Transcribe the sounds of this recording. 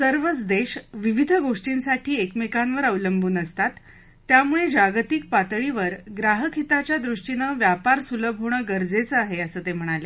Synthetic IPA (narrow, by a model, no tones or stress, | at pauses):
səɾʋət͡sd̪eɕʋiʋid̪ʱɡoʂʈiːnsaʈʰiːekmekanʋəɾəʋləmbʱuːnəst̪at̪ː | jamuɭed͡ʑaɡt̪ik̚pat̪ɭiʋəɾɡɾaɦəkʰit̪at͡ɕjad̪ɾuʂʈinəʋjapaɾsuləbʱoɳ̃əɡəɾd͡zet͡səaɦeəsəːt̪em̤əɽ̃ale